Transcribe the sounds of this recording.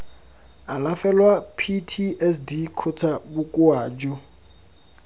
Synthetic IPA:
alafɛlwapʰitʰiʔɛsdikʰʊt͡sʰabʊkʼʊaːd͡ʒʊ

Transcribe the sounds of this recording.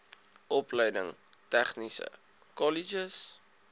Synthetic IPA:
ʔɔplɛjdə̰ŋtæχnisə̰ | kɔlid͡ʒəs

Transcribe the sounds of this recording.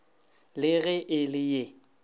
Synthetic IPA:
lɪɣɛʔɪlɪje

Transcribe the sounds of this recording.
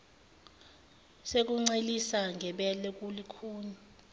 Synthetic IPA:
sek̬ʼuŋ͡ǀelisaŋʱɛɓɛlɛk̬ʼulikʰuːɲa

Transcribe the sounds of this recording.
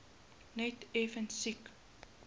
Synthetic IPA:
nɛtefənsik

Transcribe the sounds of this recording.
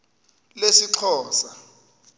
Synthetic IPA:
lesiǁʰɔːsa

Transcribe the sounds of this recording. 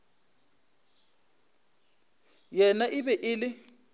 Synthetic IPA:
jɛnaʔɪbɛʔɪlɪ

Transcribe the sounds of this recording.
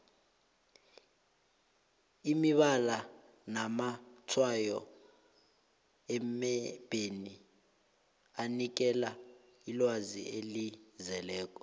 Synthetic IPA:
imiɓala | namatʰwajɔ | ɛmɛb̥ʱeni | anik̬ɛla | ilwazḭelizɛlɛːk̬ʼɔ̥

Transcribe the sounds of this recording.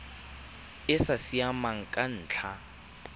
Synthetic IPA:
ɪsasiamaŋ̩kʼan̩ːt͡ɬʰa

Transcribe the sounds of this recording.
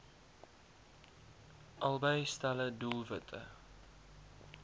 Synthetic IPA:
ʔɐlˠbəjstælədulˠvətʰə̰

